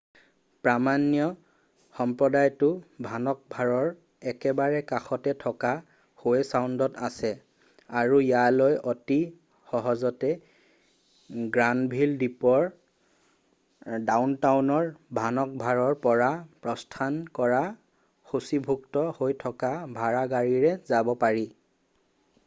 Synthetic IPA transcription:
pɹamanjɔ | xɔmpɹɔdajtʊbʱanɔk̚bʱaɹɔɹ | ɛkɛbaɹɛkaxɔtɛtʰɔka | hojɛsawndɔtasɛ | aɹujalojʔɔti | xɔɦɔzɔtɛ | ɡɹanbʱildipɔɹ | dawntawnɔɹbʱanɔk̚bʱaɹɔɹpɔɹapɹɔstʰankɔɹa | xusibʱuktɔhojtʰɔkabʱaɹaɡaɹiɹɛzabɔpaɹi

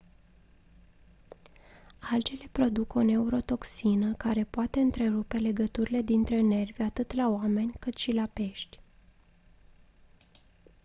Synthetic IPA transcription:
ald͡ʒele̞pɾo̞d̪uko̞ne̞uɾo̞t̪o̞ksinəkaɾe̞poat̪e̞ɨnt̪ɾe̞ɾupe̞le̞ɡət̪uɾile̞d̪int̪ɾe̞ne̞rvʲat̪ɨt̪laoame̞nʲkɨt̪ʃilape̞ʃt̪ʲ

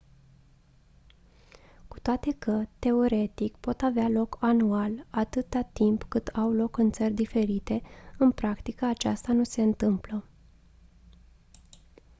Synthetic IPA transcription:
ku̥t̪oat̪e̞kət̪e̞o̞ɾe̞t̪ikpo̞t̪avealo̞kanualat̪ɨt̪at̪impkɨt̪awlo̞kɨnt̪sərʲd̪ife̞ɾit̪e̞ɨnpɾakt̪ikəat͡ʃa̰st̪anuse̞ɨnt̪ɨmplə

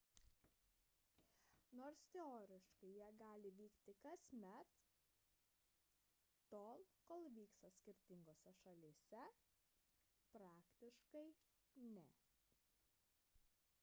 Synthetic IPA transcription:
noːɾst̪ʲɛoːɾʲɪʃkɐɪjiɛɡɑːlʲɪʋʲiːkt̪ʲɪkɐsʲmʲɛt̪ | t̪oːlˠkoːlˠʋʲiːkst̪ɐsʲkʲɪɾʲt̪ʲɪŋɡoːsʲɛʃɐlʲiːsʲɛ | pɾɑːkt̪ʲɪʃkɐɪ | nʲɛ

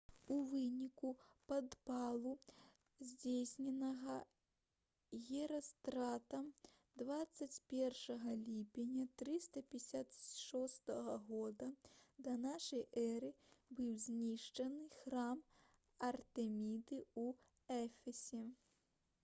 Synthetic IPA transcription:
uvɨnʲikupɐd̪palˠu | zʲd͡zʲejsʲnʲɛnɐɣɐ | ɣʲɛɾɐst̪ɾat̪ɐm | d̪vat̪sːɐt͡sʲpʲɛrʂɐɣɐlʲipʲenʲːɐt̪ɾɨst̪ɐpʲɛsʲat̪ʂɔst̪ɐɣɐɣɔd̪ɐd̪ɐnaʂɐjʔɛɾɨbɨwzʲnʲiʂt͡ʂɐnɨxɾam | ɐrt̪ɛmʲid̪ɨu | ɛfʲɛsʲɛ

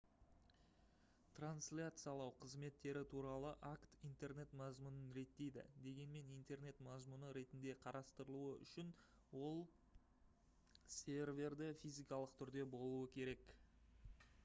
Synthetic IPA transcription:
t̪ranslʲat̪sɨjalˠɑwqʰəzme̞t̪ːe̞ɾɪt̪ʰuɾɑlˠəʔakt̪ijnt̪e̞ɾne̞t̪mɑzmunənɾe̞t̪ːe̞jd̪ɪ̰d̪e̞ɡʲe̞nme̞nijnt̪e̞rne̞t̪mɑzmunəɾe̞t̪ɪnd̪e̞qʰɑɾʔɑst̪əɾəlˠuəʔʏ̰ʃɪn | wo̞lˠ | sʲe̞rvʲe̞rd̪ɪfʲijzijkɑlˠəqt̪ʰʏɾd̪e̞bo̞lˠuəkʲʰe̞ɾe̞k

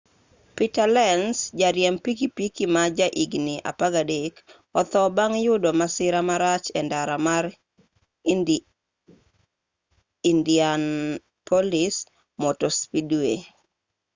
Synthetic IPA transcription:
pitalɛnsd͡ʒaɾjɛmpikipikimad͡ʒaʔiɡniʔa̰paɡadek | ɔt̪ɔbaŋjʊdɔmasɪɾamaɾat͡ʃɛndaɾamaɾ | indian | pʰolɪs | mɔtospidwe

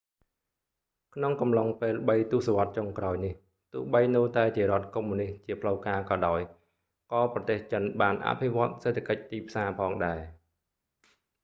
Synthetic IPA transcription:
kʰnoŋkɑmlɑŋpeːlɓəjt̪uəsaʋŏət̪̚t͡ɕoŋkraɔjnih | t̪ʊ̆əhɓəjnɨːt̪aɛt͡ɕiəɾŏət̪̚kumːuniht͡ɕiəpʰləwkaːkɑːɗaɔj | kɑːprɑt̪eːht͡ɕənɓaːnʔa̰pʰiʋŏət̪̚seːt̪ʰːakəc̚t̪iːpʰsaːpʰɑːŋɗaɛ

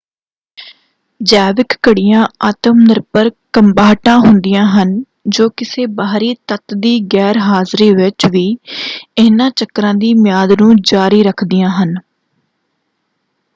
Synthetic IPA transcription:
d͡ʒɛːʋɪkːəɽɪjãːaːt̪əmnɪɾpəɾkəmbaːʈãːɦʊnd̪ɪjãːɦən | d͡ʒoːkɪseːbaːɾiːt̪ət̪d̪iːɡɛːɾɦaːzɾiːʋɪt͡ʃʋiːɪːnãːt͡ʃəkːɾãːd̪iːmɪjaːd̪nũːd͡ʒaːɾiːɾəkʰd̪ɪjãːɦən

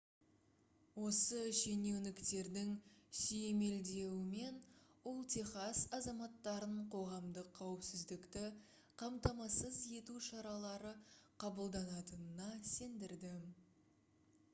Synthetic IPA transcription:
wo̞səʃe̞ne̞wnɪkt̪e̞ɾd̪ɪŋsʏjeme̞ld̪e̞wɪme̞nʊlˠt̪ʰe̞χɑsɑzɑmɑt̪ːɑɾəɴqʰo̞ʁɑmd̪əqʰːɑwɪpsɪzd̪ɪkt̪ɪ | qʰɑmt̪ɑmɑsəzje̞t̪uʃɑɾɑlˠɑɾəqʰɑbəlˠd̪ɑnɑt̪ənənɑse̞nd̪ɪɾd̪ɪ

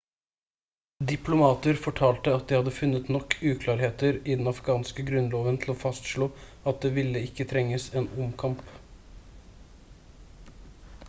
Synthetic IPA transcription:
d̪ɪpʰlʊmɑːt̪əɾfɔʈʰɑːlt̪əɑt̪̚d̪ɪhɑd̪ːəfʉnːət̪nɔkːʉːkʰlɑːɾheːt̪əɾɪd̪ɛnɑfɡɑːnskəɡɾʉnloːʋənt̪ʰl̩oːfɑst̪ʂɭoː | ɑt̪̚d̪eːʋɪlːəɪkːət̪ʰɾɛŋːəseːnʊmkʰɑmp

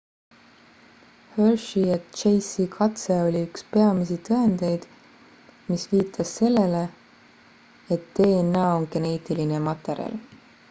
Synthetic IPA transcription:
hølʃiet̪t͡ʃejsikʰɑt̪se̞o̞lʲiykspe̞ɑmisit̪ɤe̞nd̪e̞jd̪̥ | misviːt̪ʰɑsːe̞lːe̞le̞ | et̪ːe̞ːnːɑːonke̞ne̞ːt̪ilinemɑt̪ːˑe̞ɾjɑ̰l

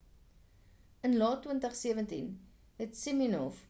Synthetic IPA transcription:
ənlɑːtːwəntəχsiəvəntin | ɦɛtsiminɔf

